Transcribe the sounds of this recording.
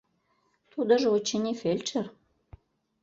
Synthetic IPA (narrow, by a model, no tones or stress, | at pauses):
t̪ud̪ə̆ʒĕot͡ɕenʲifelʲt͡ʃer